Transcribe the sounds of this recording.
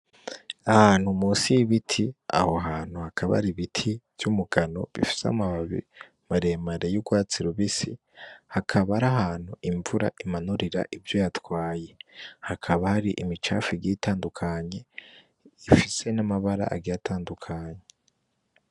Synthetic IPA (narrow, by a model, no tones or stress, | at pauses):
ahaːn̥humuːsiβitʰia̰ho̞ɦaːn̥huhakʰaβa̰ɾiβitʰiv̥jumuɡano̞̰βḭfi̥sa̰maβaβḭ | maɾemaɾejuɡwaːt͡siɾuβisi | hakʰaβaɾaɦaːn̥huʔiɱvuɾa̰ʔimanuɾiɾa̰ʔivjo̞jatwaːje̞hakʰaβahaɾiʔimit͡ʃa̰ːfiɡitaːndukʰaɲe̞ | ifise̞namaβaɾa̰ʔa̰ɡijatʰaːndukʰaɲe